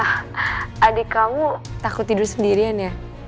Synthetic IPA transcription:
ʔadikamut̪akut̪idʊrsəndiɾianja

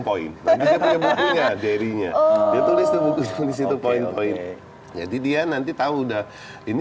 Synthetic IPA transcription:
poɪ̰nːant̪isiapuɲabukuɲadaɾiɲa̰diat̪ulɪsd̪əbuk̪uɲadis̬it̪upoɪnpoɪn | d͡ʒa̰didianant̪̬it̪audah | ini

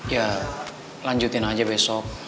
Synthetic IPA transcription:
ija | laɲd͡ʒut̪ɪnad͡ʒabɛsɔk̚

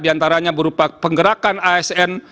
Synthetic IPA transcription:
diant̪aɾaɲabəɾupapəŋɡəɾakanaɛsɛn

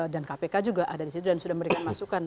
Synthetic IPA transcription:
dankapekad͡ʒuɡaʔadadisit̪udansudahməɾekamasukan

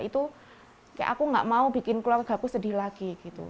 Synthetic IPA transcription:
ʔit̪u | kaja̰ʔakuŋɡa̰ʔmaub̥i̤kɪnkluarɡ̥a̤kusədi̤hlaɡ̥iɡ̥it̪ṵ

